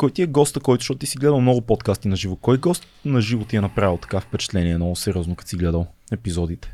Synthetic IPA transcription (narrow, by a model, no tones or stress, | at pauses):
kɔjt̪iɛɡɔst̪əkɔjt̪ʊ̥ʃtɔt̪ʊt̪isiɡlɛd̪əlˠmnɔɡʊpɔt̪kast̪inɐʒivokɔjɡɔst̪nɐʒivot̪iɛnɐpɾavʲilˠt̪ɐ̥kafpɛt͡ʃɛ̥t̪lɛniɛnɔʊsɛɾʲiɔznokɐt̪siɡlɛd̪əlˠɛpizɔd̪it̪ɛ̥